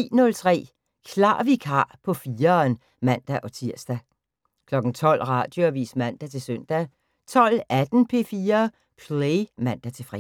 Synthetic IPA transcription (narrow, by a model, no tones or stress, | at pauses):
ḭːnɔ̽lt͡sʰʁɛ̰ː | kʰlɑ̰̈ːʋikʰɑ̰̈ːpʰɒ̽fiːɐn | mæn̰d̥æʔɒ̽t͡sʰiɐ̰sd̥æ | kʰlɒ̽ɡ̥n̩t͡sʰɒ̽l̰ʁɑ̈d̥jo̝æʋḭːsmæn̰d̥æt͡sʰe̝lsœn̰d̥æ | t͡sʰɒ̽l̰æd̥n̩pʰe̝̰ːfiːɐ | pʰleɪmæn̰d̥æt͡sʰe̝fʁḭ